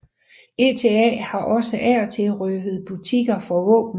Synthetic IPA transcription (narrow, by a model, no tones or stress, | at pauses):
e̝ːt͡sʰe̝ɛ̰hɑ̈ʔɒ̽səʔæɐt͡sʰe̝lʁøfð̞̩ˠb̥ut͡sʰiɡ̥ɐfɒ̽ʋɔ̰̽ːb̥n̩